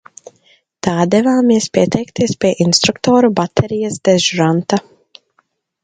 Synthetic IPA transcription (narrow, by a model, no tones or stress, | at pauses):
t̪aːd̪ɛvaːmiɛspiɛt̪ʰɛjkt̪iɛspʲiɛʔinst̪ɾukt̪ɔːɾubat̪ʰɛɾijɐsd̪ɛʒuɾant̪a